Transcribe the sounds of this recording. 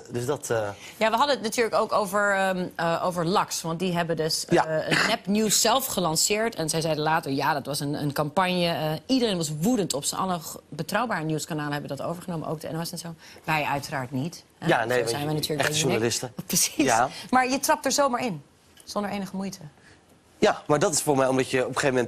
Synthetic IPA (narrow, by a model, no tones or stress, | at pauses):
døsdɔtjaːʋəɦɑdənətnatyːɹləkowkowvəɹəmʔowvəɹlɑksʋɑnt̚diɦɛbədøsənɛpnjusːɛlˠfχəlɑnsɪːɹtɛnzɛjzɛjdəlaːtəɹjaːdɑtʋɑsənə̰nkɑmpɑɲjəidərejnʋɑs̬ʋudəntɔpsənʔɑ̰lˠəbətrɑwbaːɹənjuskanaːləɦɛbədɑto̰wvəɹχənowmə̰ʔo̰wk̚dɛ̰nʋsɛtsoʋɛjœɥtəraːɹtnit | ɛjanezɛjnʋɛjnatyːɹləʒualɪstəprəsisamaːɹjətrɑp̚təɹzowmaːɹɪn | z̥ɔndəɹejnəχəmujtʰə | jamaːdɑtɪsfʊːɹmɛjɔmdɑcəɔpəχejvəmɛ̃nt